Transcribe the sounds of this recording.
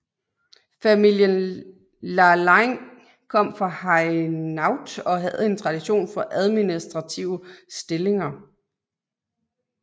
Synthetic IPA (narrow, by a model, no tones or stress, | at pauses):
fæmil̰jən | lɑlɑɪŋ | kʰɒ̽m̰fʁɑ̈hɑɪnɑʊd̥ɒ̽ɦæð̩̰ˠe̝nt͡sʰʁɑ̈d̥iɕo̝̰ːnfɒ̽ʔæð̞ˠminisd̥ʁɑ̈t͡sʰiʊ̰əsd̥e̝le̝ŋɐ